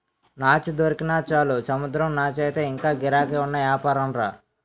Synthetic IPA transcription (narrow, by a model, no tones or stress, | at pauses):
naːt͡ʃid̪ɐɾikinaːt͡ʃaːlusɐmud̪ɾɐmnaːt͡ʃɐjt̪eːiŋkaːɡiɾaːkeːunːɐʋjaːpaːɾɐmɾaː